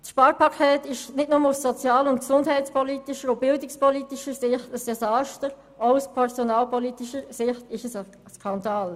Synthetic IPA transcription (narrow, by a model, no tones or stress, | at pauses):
sʃpɑːɾpɑkʰɛːtɪʃnɪdnʊməussɔt͡sjɑːləʊntksʊndɦɛɪtt͡spɔlitiʃəɾobɪldɪkspɔliːtiʃəsɪχtəsd̥ɛsɑːʃtəɾ | ɔuspʰɛʁsɔnɑːlpʰɔliːtiʃəsɪχtɪʃəsə | skʰɑndɑːl